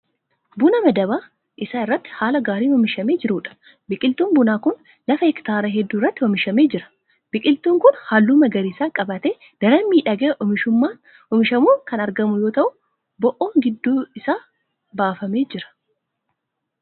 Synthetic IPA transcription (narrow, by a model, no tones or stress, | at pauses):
bʊnɐmɐd̪ɐβaː | ʔɪsaːɪrːɐt̪ːɪ̥haːlɐɡaːɾiːnɔmɪʃɐmeːd͡ʒɪɾuːᶑɐ̥ | bɪkʼɪlt̪uːnbʊnaːkʊn | lɐfɐhɛkt̪aːɾɐɦɛd̪ːuːɪrːɐt̪ːɪɔmɪʃɐmeːd͡ʒɪɾɐ̥ | b̥ɪkʼɪlt̪uːŋkʊnhaːlːuːmɐɡɐɾiːsaːkʼɐbɐt̪eː | d̪̥ɐɾɐmiːᶑɐɡeːʔɔmɪʃʊmːaː | ʔɔmɪʃɐmuːkɐnɐɾɡɐmʊjo̞ːt̪ɐʔʊ | bɔʔoːŋɡɪd̪ːuːɪsaː | baːfɐme̞ːd͡ʒɪɾɐ̥